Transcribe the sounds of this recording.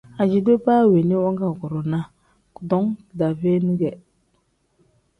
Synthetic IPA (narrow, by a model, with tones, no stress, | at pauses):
a˨d͡ʒi˨do˦pa˦˨we˨ni˦wɔ˦ŋɡa˨kɔ˨ɾo˨na˦ | kdɔ˦ŋ˨da˨ve˦nu˦ɡɛ˨